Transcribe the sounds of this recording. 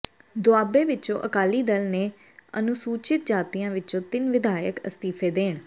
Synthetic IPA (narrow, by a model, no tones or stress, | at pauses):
d̪ʊaːbeːʋɪt͡ʃõ̰ːʔəkaːliːd̪əlneː | ə̰nʊsuːt͡ʃɪt̪̚d͡ʒaːt̪ijãːʋɪt͡ʃõːt̪ɪnʋɪd̪aːjəkə̰st̪iːpʰeːd̪eːɳ